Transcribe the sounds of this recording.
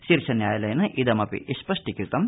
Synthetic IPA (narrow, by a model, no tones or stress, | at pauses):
ʃiɾʂʰɐnjaːjɐlɐjɐnɨʔid̪ɐmɐpḭiʃpɐʂʈikɾit̪ɐm